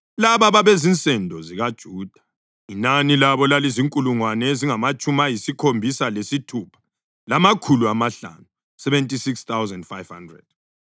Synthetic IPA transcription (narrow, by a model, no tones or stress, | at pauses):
laβaβaβezint͡sʼɛndʱɔziɣad̥ʒ̥ʱuːd̥ʱḁ | inanilaβɔlaliziŋkʼuluŋwanɛeziŋamat͡ʃʼumajisikʰombʱisalesitʰupʰḁ | lamakʰuluamaɬa̰nu | sɛβɛntʼisikst̪awzɛndfajv̥handrɛ̰d̥̚